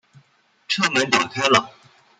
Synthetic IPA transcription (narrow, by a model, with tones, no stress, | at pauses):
ʈ͡ʂʰɤ˥˩mə˧˥nt̪ɑ˨˩kʰa˥ɪlə˨